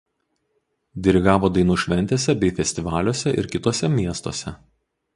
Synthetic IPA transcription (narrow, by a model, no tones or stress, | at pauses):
d̪ʲɪɾʲɪɡɑːʋoːd̪ɐɪnuːʃʲʋʲɛnʲt̪ʲeːsʲɛbʲɛɪfʲɛsʲt̪ʲɪʋɑːlʲoːsʲɛʔɪ̰ɾkʲɪt̪oːsʲɛmʲiɛst̪o̰ːsʲɛ